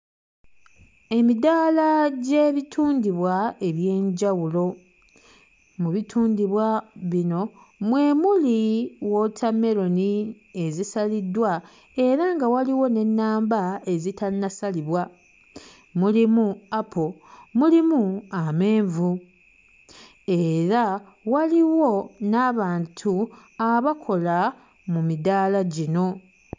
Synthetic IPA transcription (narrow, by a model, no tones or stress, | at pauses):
e̞midaːlaɟe̞βitʰuːndiβwae̞βje̞ːɲɟawulo̞ | muβitʰuːndiβwaβino̞ | mwe̞ːmuliwo̞tʰameɾo̞ni | e̞zisalidːwa | e̞ɾaŋɡawaliwo̞ne̞nːaːmbae̞zitannasaliβwa | mulimuapʰomulimuame̞ːɱvu | e̞ɾa | waliwo̞naβaːntʰuaβakʰo̞la | mumidaːlaɟino̞